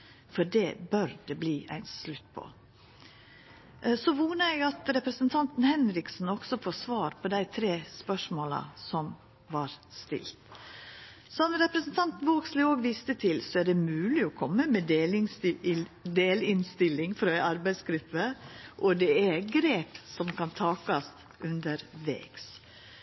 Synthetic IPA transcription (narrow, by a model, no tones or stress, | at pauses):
fɔɖɛbœɾd̪ɛbliːʔæ̰ɪnslʉt̪ːpʰɔ̰ | sɔʋuːnəæɪɡɑt̪ɾɛpɾɛsənt̪ʰɑnt̪n̩hɛnɾɪksn̩ɔksɔfoːsʋɑːɾpʰɔd̪æɪt̪ʰɾeːspœʂmoːlɑ̰sɔm | ʋɑɾst̪ɪ̰lt̪ | sɔnɾɛpɾəsn̩t̪ʰɑnt̪nʋoːkslɪoːɡʋɪst̪ət̪ʰɪlsɔæɖɛmʉːlɪɔkʰɔmːəmɛ | d̪eːlɪnst̪ɪlːɪŋfɾɑæɑɾbæɪsɡɾʉpːəʔɔd̪ɛæɾɡɾeːpsɔmkʰɑnt̪ʰɑːkɑst̪ | ʔʉnd̪əɾʋḛːɡs